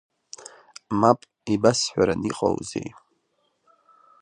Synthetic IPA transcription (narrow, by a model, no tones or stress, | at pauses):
mapʼ | ibasħʷᶣaɾaniqʼa̰wzḛj